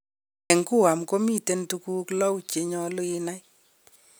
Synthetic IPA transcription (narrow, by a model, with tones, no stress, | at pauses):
ɛ˨ŋku˦wa˨mko˦mi˦˨te˦ntu˦kuː˦klɔ˦wt͡ʃe˨ɲɔ˦lʊ˦ɪ˦na˦j